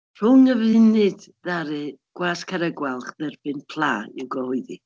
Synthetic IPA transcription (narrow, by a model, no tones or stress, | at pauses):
r̥ʊŋəvɨnɨdðaɾɨɡ̥waːskʰaɾəɡwalˠχðɛrbɨnpʰlˠaːḭwɡɔhʊɨði